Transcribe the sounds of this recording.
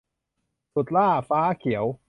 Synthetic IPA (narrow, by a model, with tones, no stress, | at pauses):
su˨˩t̪̚laː˥˩faː˦˥kʰi˨˩˦əw